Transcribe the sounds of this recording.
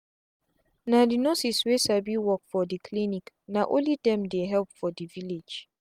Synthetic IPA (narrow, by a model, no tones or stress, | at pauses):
nãdinosiswesabiwɔk̚fɔdikʰlinik | nãʔõ̰lidɛ̃mdeɦɛlpfɔdiviled͡ʒ